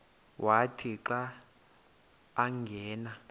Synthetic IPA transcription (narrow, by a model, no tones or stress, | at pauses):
wʔatʰiǁa | ŋɡʱɛːna